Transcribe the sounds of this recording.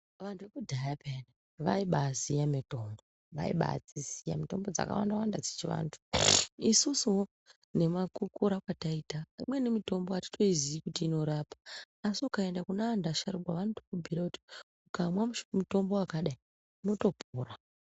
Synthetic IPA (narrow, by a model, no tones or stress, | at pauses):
ʋantʰuʋekudʱajapʰene | ʋaiɓazijamito̞mbo | ʋa̰ḭɓa̰d͡zisija̰mito̞mbo̞d͡za̰ka̰wa̰ndawandad͡zet͡ʃiʋa̰ːntʰu̥isusuwo | ne̞makukuɾakwataiːtaimwe̞nemito̞mboati̥to̞iziikutiːno̞ɾaːpḁː | siukae̞ndakunaandaʃaɾuɡwaʋanotokubʱiɾakuti̥ | ukamwamuto̞mbo̞akaɗai | uno̞to̞puːra